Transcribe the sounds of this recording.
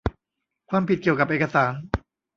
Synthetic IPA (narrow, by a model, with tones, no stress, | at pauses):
kʰwaː˧mpʰi˨˩t̪̚ki˨˩əwka˨˩p̚ʔeː˨˩ka˧saː˩˦n